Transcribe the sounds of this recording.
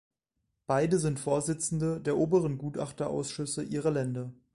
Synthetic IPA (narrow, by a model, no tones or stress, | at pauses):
b̥aɪdəzɪntfoːɐzɪt͡sn̩dədeːɐʔoːbəʁənɡuːta̰χtɐʔa̰ʊsʃʏsəʔiːʁɐlɛndɐ